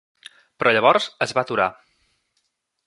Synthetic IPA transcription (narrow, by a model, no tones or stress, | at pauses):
pɾʔɔʎəβɔɾzəzβat̪uɾa̰